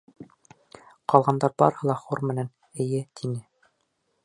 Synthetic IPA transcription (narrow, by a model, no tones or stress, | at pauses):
qɑlˠʁɑnd̪ɑɾbɑ̰ɾhɤlˠɑχuɾmɘ̆næn | ɘ̆jɘt̪ʰinɘ